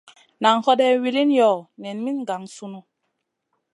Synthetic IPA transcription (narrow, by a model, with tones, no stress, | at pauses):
na˨ŋhɔ˦dɛ˦wi˦li˦n˦jɔ˨nɛ˨nmi˦nɡa˨ŋsu˦nu˦